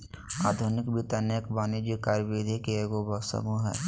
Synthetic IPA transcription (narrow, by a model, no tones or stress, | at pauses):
aːd̪ʱunɪkbit̪ənəkbaːnid͡ʒikaːɾʋeːd̪ʱikeeɡobʱɐsə̰muɦɛ̰ː